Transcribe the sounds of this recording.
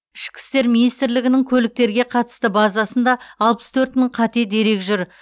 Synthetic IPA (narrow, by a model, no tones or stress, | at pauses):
ɪʃkʲɪ̥st̪e̞ɾminijst̪ɪɾlɪɡʲɪnɪŋkʲʰɵlɪk̚t̪e̞ɾɡʲe̞qʰɑt̪ə̥st̪əbɑzɑsənd̪ɑːlˠpəst̪ʰɵɾt̪məɴqʰɑt̪ed̪e̞ɾe̞kʒʏɾ